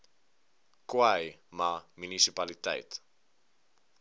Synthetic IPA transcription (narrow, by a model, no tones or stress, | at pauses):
kwajmamynisipalitɛ̰jt